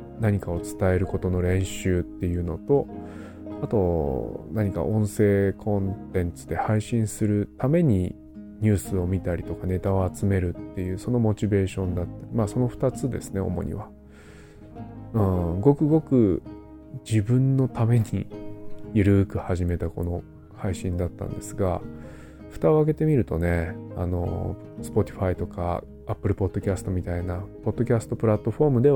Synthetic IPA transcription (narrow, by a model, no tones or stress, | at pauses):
naɲ̟ikao̞t͡sɨ̥t̪ae̞ɾɯ̟ko̞t̪o̞noɾẽ̞ɰ̃ɕɨːt̪ːe̞jɯ̟ːno̞t̪o̞ | at̪o̞naɲ̟ika̰ʔõ̞ɰ̃se̞ːkʰõ̞nt̪ẽ̞nt͡sɨ̥d̪e̞haiɕĩɰ̃sɨɾɯ̟t̪ame̞ɲ̟i | ɲ̟ɨːsɨo̞mʲit̪aɾʲit̪o̞kane̞t̪ao̞at͡sɨme̞ɾɯ̟t̪ːe̞jɯ̟ːso̞no̞mo̞t͡ɕibe̞ːɕõ̞nd̪at̪ːaɾʲimaːso̞no̞ɸɯ̥t̪at͡sɨd̪e̞̰sɨne̞o̞̰mo̞̰ɲḭβa | ɯ̟̃ːɡo̞kɯ̟ɡo̞kɯ̟ | d͡ʑibɯ̟̃nːo̞t̪ame̞ɲ̟ḭjɯɾɯ̟kɯ̟haʑime̞t̪ako̞̰no̞ | haiɕĩnd̪at̪ːã̰nd̪e̞sɨɡa̰ | ɸɯ̟̥t̪ao̞ake̞t̪e̞mʲiɾɯ̟t̪o̞ne̞a̰no̞̰ | sɨ̥po̞t̪ʲi̥ɸait̪o̞ka̰ | apːɯ̟ɾɯ̟po̞d̪̥ːo̞kʲasɨ̥t̪o̞mʲit̪ainapo̞d̪̥ːo̞kʲasɨ̥t̪o̞pɯ̟ɾat̪ːo̞ɸo̞ːmɯ̟d̪e̞